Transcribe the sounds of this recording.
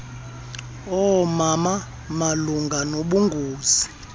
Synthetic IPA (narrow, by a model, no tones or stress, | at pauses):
ɔmama | maluŋɡʱanoɓuŋɡʱuːzi